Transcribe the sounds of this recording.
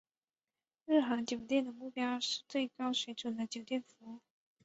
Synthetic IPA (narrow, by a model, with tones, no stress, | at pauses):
ɻɻ̩˥˩xa˧˥ŋt͡ɕjo˨˩ʊt̪jɛ˥˩nd̪ə˩mu˥˩pjɑ˥ʊʂɻ̩˥˧t͡swe˥˩ɪkɑ˥ʊɕɥɛ˧˥ʈ͡ʂu˨˩d̪ə˦t͡ɕjo˨˩ʊt̪jɛ˥˩nfu˧˥˩